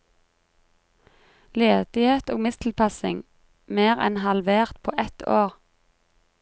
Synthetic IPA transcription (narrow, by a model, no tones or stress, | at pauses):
leːd̪̥ɪheːt̪oːɡmɪst̪ʰl̩pʰɑsɪ̰ŋ | meːʁɛ̰nhɑlʋeːʁt̪pʰo̰ːʔɛt̪ʰoːʁ